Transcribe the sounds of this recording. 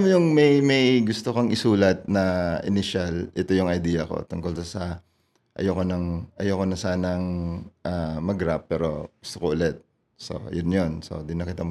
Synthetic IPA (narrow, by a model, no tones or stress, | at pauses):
mjʊŋmɐjmɐjɡʊst̪okoŋʔɪsuːlɐt̪̚nɐʔɪ̰nɪʃɐlʔɛt̪o̞jʊŋɐjd̪iːjɐko̞̰t̪ʊŋkolsɐsɐ | ʔɐ̰jokonɐŋʔɐjokonɐsaːnɐŋʔamɐɡɾapːɛːɾo̞ɡ̥ʊst̪okoʔʊlɛt̪̚ | so̰jonjonso̞̰d̪ɪnːɐkɪt̪am